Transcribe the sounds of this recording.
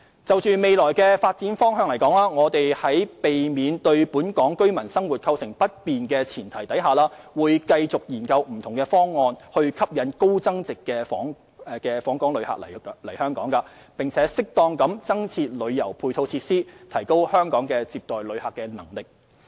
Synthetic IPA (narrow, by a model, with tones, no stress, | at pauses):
t͡sɐ˨wt͡ʃyː˨me˨˧jlɔː˨˩jkɛː˧faː˧t̚t͡siː˨˥nfɔː˥ŋɦœː˨ŋlɐ˨˩jkɔː˨˥ŋlaː˥ŋɔː˨˧t̪e˨jhɐ˨˥jpe˨jmiː˨˧nt̪ɵ˧ɥpuː˨˥nkɔː˨˥ŋkɵ˥ɥmɐ˨˩nsɐ˥ŋwuː˨˩t̚kʰɐ˧wsɪ˨˩ŋpɐ˥t̚piː˨nkɛː˧t͡sʰiː˨˩nt̪ʰɐ˨˩jt̪ɐ˨˥jɦaː˨laː˥wuː˨˧jkɐ˧jt͡sʊ˨k̚jiː˨˩nkɐ˧wm̩˨˩t̪ʰʊ˨˩ŋkɛ˧fɔː˥ŋːɔː˧nhɵ˧ɥkʰɐ˥p̚jɐ˨˥nko˥wt͡sɐ˥ŋt͡sɪ˨kːɛː˧fɔ̰ː˨˥ŋ | kɛː˧fɔː˨˥ŋkɔː˨˥ŋlɵ˨˧˥ha̰ː˨k̚lɐ˨˩lɐ˨˩jhœː˥ŋkɔː˨˥ŋkaː˧ | pɪ˨ŋt͡sʰɛː˨˥sɪ˥k̚t̪ɔː˧ŋkɐ˨˥mt͡sɐ˥ŋt͡sʰiː˧t̚lɵ˨˧ɥjɐ˨˩wpʰuː˧jt̪ʰo˧wt͡sʰiː˧t̚siː˥t̪ʰɐ˨˩jko˥whœː˥ŋkɔː˨˥ŋkɛː˧t͡siː˧p̚t̪ɔː˨jlɵ˨˧ɥhaː˨kːɛː˧nɐ˨˩ŋlɪ˨k̚